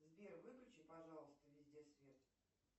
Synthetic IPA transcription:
zbʲervɨpɾʲʊt͡ɕɪpɐʐalˠəst̪əvʲɪzʲd̪ʲesvʲet̪

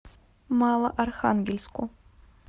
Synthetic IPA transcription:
malˠɐʔarxa̰nɡʲelʲskʷʰʼʊ

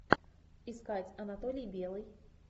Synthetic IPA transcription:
iskat͡sʲɐnat̪ɔlʲijbʲɛlˠɨj

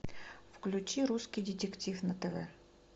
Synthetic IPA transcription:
fklʲʉt͡ɕiɾuskʲɪjdʲɪtʲɪktʲifnət̪ɛvɛ

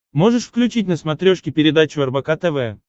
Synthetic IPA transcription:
mo̞ʐɨʂfklʲʉt͡ɕitʲnəsmɐt̪ɾʲoʂkʲɪpʲɪɾʲɪd̪at͡ɕʊɐrbɐkat̪ɛvɛjə

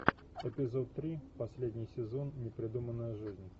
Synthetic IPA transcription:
ɪpʲɪzo̞t̪ːɾʲipɐsʲlʲedʲnʲɪjsʲɪzo̞nːʲɪpɾʲɪd̪umənːəjəʐɨzʲnʲ

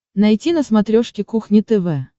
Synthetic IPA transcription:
nɐjtʲinəsmɐt̪ɾʲoʂkʲɪkuxnʲɪt̪ɛvɛ

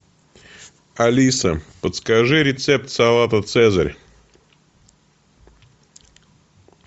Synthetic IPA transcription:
ɐlʲisəpət̪skaʐɨɾʲɪt̪sɛp̚t̪sɐlˠat̪ət̪sɛzəɾʲ

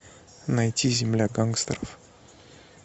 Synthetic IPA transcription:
nɐjtʲizʲɪmlʲaɡaŋkst̪ɾəf

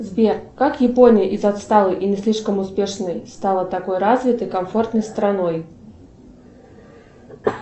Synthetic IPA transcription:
zʲbʲɛkakjɛpɔnʲijʔizat̪st̪alˠɨʔinʲɪsʲlʲiʂkəmʊspʲɛʂnəjst̪alˠɐt̪akɔjɾazʲvʲɪt̪əjkamfɔrt̪nəjst̪ɾanɔj

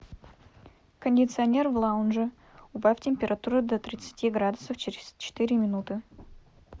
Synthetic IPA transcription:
kənʲdʲɪt̪sɨɐnʲe̞rvlˠaʊnʐɨ | ʊpaftʲɪmʲpʲɪɾɐt̪uɾʊd̪ɐt̪ɾʲɪt̪sɨ̥tʲiɡɾad̪ʊsəft͡ɕɪɾʲɪz̥t͡ɕɪ̥t̪iɾʲɪmʲɪnut̪ɨ

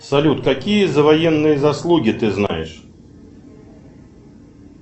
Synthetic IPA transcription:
salʲut̪kakʲijɐzɐvajɛnːɨjɐzaslˠuɡʲit̪ɨzna̰jɪʂ

